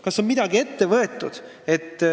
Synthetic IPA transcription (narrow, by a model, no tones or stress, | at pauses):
kɑsːo̞nmid̪̥ɑɡie̞t̪ːe̞vɤ̞e̞t̪ːˑud̪̥ | e̞t̪ː